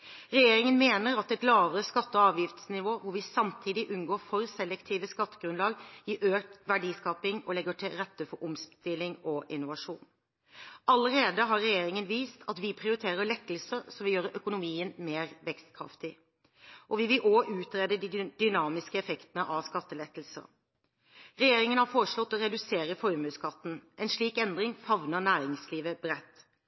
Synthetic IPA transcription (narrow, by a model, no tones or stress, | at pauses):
ɾɛjeːɾɪŋənmeːnəɾɑt̪̚ɛt̪lɑːʋəɾəskɑt̪ːəɔɑːʋjɪft̪snɪʋoːʋʊɾʋɪsɑmt̪ʰiːd̪ɪʔʉnɡoːɾfɔɾsɛlːɛkt̪ʰiːʋəskɑt̪ːəɡ̥ɾʉnlɑːɡjɪʔøːkt̪ʋæɖiːskɑːpɪŋɔlɛɡəʈʰɪlɾɛt̪ːəfɔɾʔʊmst̪ɪlːɪŋɔʔɪnːʊʋɑʂṵːn | ʔɑləɾeːd̪əɦɑɾːɛjeːɾɪŋənʋiːst̪ʰɑt̪ʋɪpʰɾɪʊɾɪt̪ʰeːɾəɾɭɛkːəlsəsɔmʋɪljøːɾəʔœkʊnʊmiːənmeːɾʋɛkst̪̚kʰɾɑ̰ft̪ɪ | ʔɔʋɪʋɪlʔoːʔʉːt̪ɾeːd̪əd̪id̪ʏnɑːmɪskəɛfɛkt̪ənəʔɑʋskɑt̪ːəlɛkːəl̩sə̰ | ɾɛjeːɾɪŋənhɑɾfoːɾəʂɭɔt̪ːɔɾɛd̪ʉseːɾəfɔɾmʉːskʰɑt̪ːn̩ʔɛnʂɭiːkɛnd̪ɾɪŋfɑʋnənæːɾɪŋsliːʋəbɾɛt̪ː